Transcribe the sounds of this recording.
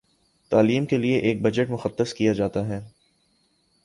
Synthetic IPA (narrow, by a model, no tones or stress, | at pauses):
t̪aːliːmkelieʔeːk̚bɐd͡ʒəʈmʊxəd̪ːəskijad͡ʒaːt̪aɦɛː